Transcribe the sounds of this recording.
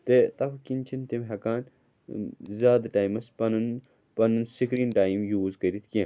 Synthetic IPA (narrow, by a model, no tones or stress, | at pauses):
t̪et̪ɐfkint͡ʃʰint̪imɦɐkaːn | zaːd̪ɐʈaːjmɐspɐnun | pɐnunsikɾinʈaːjimjuːzkɐɾit̪ke